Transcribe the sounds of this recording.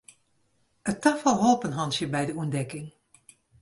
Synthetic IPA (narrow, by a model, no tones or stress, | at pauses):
ətafəlˠɦoːpənɦɑnsjəbɛjdəuəndɛkɪŋ